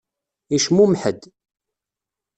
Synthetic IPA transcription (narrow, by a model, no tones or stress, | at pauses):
iʃmumħəd̪